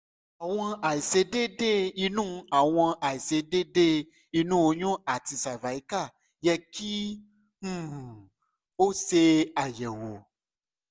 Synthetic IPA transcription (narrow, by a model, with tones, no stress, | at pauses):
a˨w̃ɔ̃˧a˨i˨se˧de˦de˦i˧nũ˦a˨w̃ɔ̃˧ʔa˨i˨se˧de˦ɖe˦ | i˧nũ˦wo˧ɲɔ̃˦a˨ti˧sa˨va˨i˨˦ka˦˨ | jɛ˧kĩ˦˨ | o˦se˧a˨jɛ˨wo˨